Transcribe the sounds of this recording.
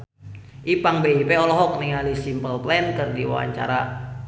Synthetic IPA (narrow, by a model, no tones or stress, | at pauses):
ʔipaŋbeipeɔlɔɦɔk̚niŋalisimpəlplɛnkɨrdiwa̰wa̰ɲt͡ʃa̰ɾa